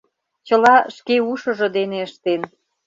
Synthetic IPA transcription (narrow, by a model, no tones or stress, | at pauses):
t͡ɕəlɑʃkeuʃə̆ʒɤ̆d̪eneəʃt̪en